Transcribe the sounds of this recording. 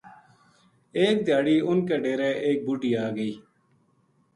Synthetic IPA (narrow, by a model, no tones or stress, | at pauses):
eːk̚d̪ɪjaːɽiːʊnkeːɖeːɾeːʔeːk̚buːʈiːaːɡəiː